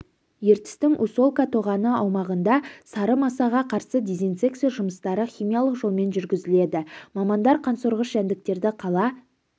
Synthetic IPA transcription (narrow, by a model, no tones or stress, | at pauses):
je̞ɾt̪ɪ̥st̪ɪŋʔuso̞lˠkat̪ʰo̞ʁɑnəɑwmɑʁənd̪ɑsɑɾəmɑsɑʁɑqʰɑɾsəd̪ʲizinseksiʒʊməst̪ɑɾəχʲijmijalˠəqʒo̞lˠme̞nʒʏɾɡʲɪzɪle̞d̪ɪmɑmɑnd̪ɑɾqʰɑnsoɾʁəʃʒænd̪ɪk̚t̪e̞ɾd̪ɪqʰɑlˠɑ